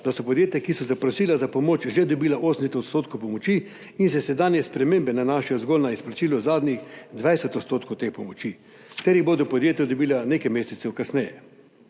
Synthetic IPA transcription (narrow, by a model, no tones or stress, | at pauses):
d̪asɔpɔd̪jeːt̪jakisɔzapɾɔsiːlazapɔmoːt͡ʃʒed̪ɔbiːlaʔoːsɛm̩sɛt̪ot̪st̪oːt̪kowpɔmɔt͡ʃi | insɛsɛd̪aːnjɛspɾɛmembɛnanaːʃɛjɔzɡoːlnaisplat͡ʃiːlɔzaːd̪nʲixd̪ʋajsɛt̪ɔt̪st̪oːt̪kowt̪eːxpɔmɔt͡ʃi | t̪ɛɾjiboːd̪ɔpɔd̪jeːt̪jɛd̪ɔbiːlaneːkajmeːsɛt̪sɛwkasnɛjɛ̰